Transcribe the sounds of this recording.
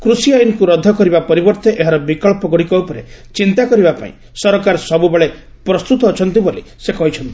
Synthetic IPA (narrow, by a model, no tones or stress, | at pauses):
kɾusiajunɔkuɾɔd̪ʱɔkɔɾibapɔɾibɔɾt̪eʔeɦaɾɔbikɔɭpɔɡɔɽikɔupɔɾe | t͡ʃint̪akɔɾibapa̰ḭ̃ | sɔɾɔkaɾɔsɔbubeɭe | pɾɔst̪ut̪ɔːt͡ʃʰɔnt̪ibolisekɔɦit͡ʃʰɔnt̪i̥